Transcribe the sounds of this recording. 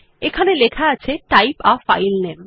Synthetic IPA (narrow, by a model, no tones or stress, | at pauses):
ekʰanelekʰaat͡ɕʰeʈajpafa̰jlnem